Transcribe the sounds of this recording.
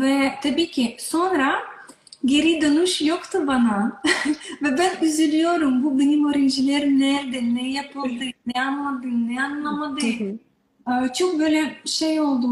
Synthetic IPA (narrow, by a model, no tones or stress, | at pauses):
vɛt̪ʰabiːcʰʲiso̞nɾa | ɟeɾid̪onuʃjokt̪ʰubana | vɛbænyzylʲyjo̞ɾumbubenimøɾind͡ʒilʲeɾinɛɾd̪ɛnɛjapʰɯlˠd̪ɯnɛanmad̪ɯnɛanlˠamad̪ɯ | ɯt͡ʃʰok̚bøjlʲɛʃejo̞lˠd̪u